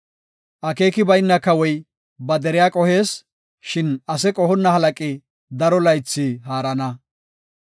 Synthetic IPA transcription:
ʔɐke̞ːkɪbɐjnːɐkːɐwɔj | bɐd̪ɛɾɪjaːkʼɔhe̞ːs | ʃɪnɐsɛkʼɔhɔnːɐhɐlɐkʼɪ | d̪ɐɾɔlɐjt͡sːihaːɾɐnɐ

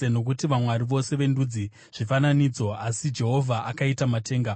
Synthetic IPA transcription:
eno̞k̬utiʋamwaɾiʋo̞se̞ʋe̞ndud͡zi | ʐ̥ifananiːd͡zo̞asid͡ʒe̞ɦo̞vʱaʔakaitamate̞ːŋɡa

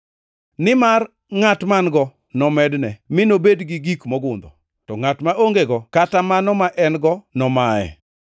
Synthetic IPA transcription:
nɪmar | ŋatmanɡɔ | nɔmɛdnɛmɪnobedɡɪɡikmɔɡʊnd̪ɔ̰ | tɔŋatmaʔoŋɡeɡɔkatamanɔmaʔɛnɡɔnɔmaɛ̰

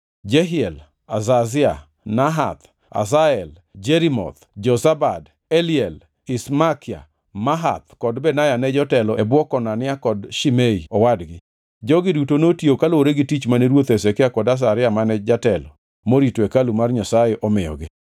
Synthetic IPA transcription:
d͡ʒɛɦɪɛl | a̰zazɪa | naɦa̰t̪ | a̰zaɛl | d͡ʒeɾimɔ̰t̪d͡ʒɔsabad | ɛlɪɛl | ɪsmakɪa̰ | maɦa̰t̪kɔdbɛnajanɛd͡ʒɔtɛlɔɛbwɔkɔnanɪakɔdʃimeiɔwadɡɪ | d͡ʒɔɡɪdutonotjokaloɾeɡɪtit͡ʃmaneɾwot̪ɛsɛkɪakɔdas̬aɾɪamanɛd͡ʒatɛlɔ | moɾitwekalumarɲasajeʔɔmɪjɔ̰ɡɪ

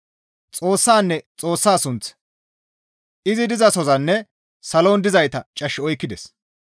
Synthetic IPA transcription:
t͡sʼo̞ːsːaːnːɛt͡sʼo̞ːsːaːsʊnt͡s | ʔɪzɪd̪ɪzɐsɔzɐnːɛ | sɐlo̞ːnd̪ɪzɐjt̪ɐt͡ʃʼɐʃːɪɔjkːɪd̪ɛ̰s

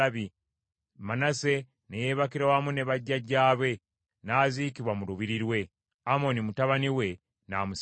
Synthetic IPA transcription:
βi | manase̞ | nejeβakiɾawamune̞βaɟːaɟaːβe̞ | naːzikiβwamuɾuβiɾiɾwe̞ | amo̞nimutaβaniwe̞ | naːmus

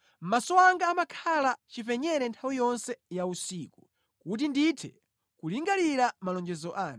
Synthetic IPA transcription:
m̩masɔwaŋɡaːmakʰalat͡ʃifɛɲɛɾɛntʰawijɔnsɛjausiːku | kut̬inditʰɛ | kuliŋɡaliɾamalɔnd͡ʒɛzɔʔaːn

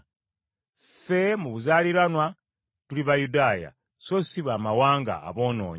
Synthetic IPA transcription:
fe̞muβuzaːliɾanwa | tuliβajudaːja̰ | sosiβaːmawaːŋɡa̰ːβo̞ːno̰ːɲ

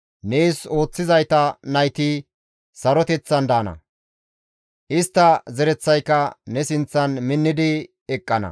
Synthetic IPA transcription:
neːso̞ːt͡sːɪzɐjt̪ɐnɐjt̪i | sɐɾɔt̪ɛt͡sːɐnd̪ɐːnɐ̰ | ʔɪst̪ːɐzɛɾɛt͡sːɐjkːɐnɛsɪnt͡sːɐnmɪnːɪd̪ɪ | ɛkʼːɐnɐ̰

